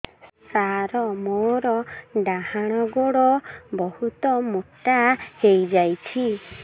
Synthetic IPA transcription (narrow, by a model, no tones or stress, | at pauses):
saɾɔmoɾɔɖaɦaɽ̃ɔɡoɽɔbɔhut̪ɔmoʈahejd͡ʒajt͡ʃʰi